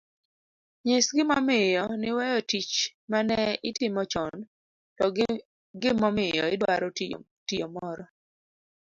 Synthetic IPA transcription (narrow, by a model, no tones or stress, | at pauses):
ɲesɡɪmamɪjɔnɪwɛjɔtit͡ʃmanɛɪtɪmɔt͡ʃɔn | tɔ | ɡɪmɔmɪjɔɪdwaɾɔ | tijɔmɔɾɔ